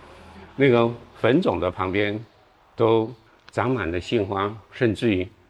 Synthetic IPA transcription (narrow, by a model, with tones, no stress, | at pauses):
na˥˩ɡə˩fə˧˥nt͡sʊ˨˩ŋd̪ə˦pʰɑ˧˥ŋpjɛ˥n | t̪o˥ʊ | t͡sɑ˧˥ŋma˨˩nd̪ə˦ɕi˥˩nxwa˥ʂə˥˧nʈ͡ʂɻ̩˥˩˧